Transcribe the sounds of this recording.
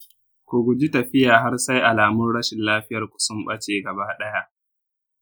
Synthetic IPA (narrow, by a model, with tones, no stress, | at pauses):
kʷʊ˨ɡʷʊ˨d͡ʒi˦tɐ˨ɸɪ˦jaː˨ɦa˦rsa˦jʔa˨laː˨mʊ˦nɽɐ˦ʃɪ˨nlaː˦ɸɪ˦jɐ˨rkʷʊ̥˨sʊ˦mɓɐ˦t͡ʃeː˨ɡɐ˨baː˦ɗɐ˦ja˦ʔ